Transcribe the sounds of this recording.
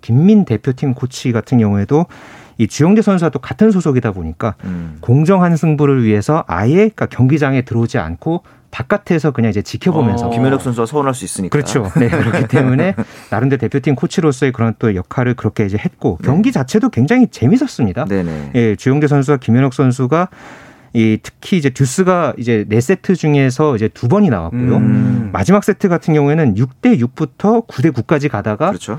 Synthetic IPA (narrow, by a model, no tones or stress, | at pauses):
kimːinte̞pʰjotʰiŋkʰot͡ɕʰiɡatʰɯnɡjʌŋue̞doit͡ɕujʌŋdesʰʌns̬ʰuat͈okatʰɯnsʰosʰoɡidaboɲik͈akoŋd͡ʑʌŋɦansʰɯŋbuɾɯɭɥiɦe̞sʰʌʔa̰je̞k͈akjʌŋɡid͡ʑaŋe̞tɯɾod͡ʑia̰nkʰo | tak͈atʰe̞sʰʌkɯɲaŋid͡ʑet͡ɕikʰjʌbomjʌnsʰʌkimjʌnʌk̚s͈ʌnsʰuasʰʌnɦaɭs͈uis͈ɯɲikɯɾʌt͡ɕʰone̞kɯɾʌkkʰit͈e̞mune̞naɾɯnde̞te̞pʰjotʰiŋkʰot͡ɕʰiɾos̬͈ʌe̞k̬ɯɾʌnt͈ojʌkʰaɾɯɭkɯɾʌkʰe̞id͡ʑe̞he̞t̚k͈okjʌŋɡid͡ʑat͡ɕʰe̞dokwe̞ŋd͡ʑaŋit͡ɕe̞misʰʌs͈ɯmɲidaneḛje̞t͡ɕujʌŋdes̬ʰʌns̬ʰuɡakimjʌɲjʌks͈ʰʌns̬ʰuɡa | itʰɯ̥kʰiːd͡ʑe̞tjus͈ɯɡaid͡ʑe̞ne̞s͈e̞tʰɯd͡ʑuŋe̞sʰʌid͡ʑe̞tubʌɲina̰wa̰k̚k͈ojoma̰d͡ʑimak̚s͈e̞tʰɯɡatʰɯnɡjʌŋue̞nɯnjuk̚t͈e̞juk̚p͈utʰʌkude̞kuk̚k͈ad͡ʑikadaɡat͡ɕʰo